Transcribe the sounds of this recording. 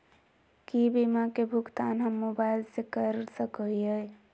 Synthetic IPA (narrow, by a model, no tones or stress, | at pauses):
kibimakebʱukt̪anɦəmːobaɪlsekəɾsəkəiəj